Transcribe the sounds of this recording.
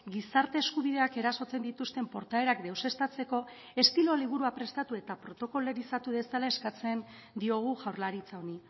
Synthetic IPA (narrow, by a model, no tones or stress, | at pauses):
ɡisaɾt̪e̞ːskuβ̞ið̞e̞ake̞ɾaso̞t͡se̞nd̪it̪ust̪e̞mpo̞ɾt̪ae̞ɾakd̪e̞wse̞st̪at͡se̞ko̞ | e̞st̪ilo̞liβ̞uɾuapɾe̞st̪at̪ue̞t̪apɾo̞t̪o̞ko̞leɾisat̪uðe̞salae̞skat͡se̞n | d̪io̞ɣ̞uʝawɾlaɾit͡sao̞ni